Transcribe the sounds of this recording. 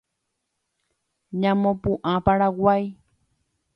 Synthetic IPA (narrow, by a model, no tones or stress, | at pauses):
ɲãmõpũʔãpaɾawaj